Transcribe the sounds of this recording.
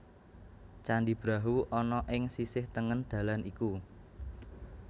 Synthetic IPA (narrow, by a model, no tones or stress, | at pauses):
t͡ʃaɳɖib̥ɾaɦuʔɔnɔʔɪŋsisɪht̪əŋənd̪̥ä̤lanʔiku